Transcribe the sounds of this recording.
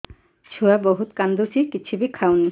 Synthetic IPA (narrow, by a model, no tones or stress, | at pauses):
t͡ʃʰuabɔɦut̪kand̪usikit͡ɕʰubikʰawni